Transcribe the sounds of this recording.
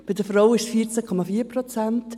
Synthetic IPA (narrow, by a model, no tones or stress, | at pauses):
b̥ɪdəfɾowɪʃsfiːɾt͡sɛkʰɔmafiːəɾpɾot͡sɛnt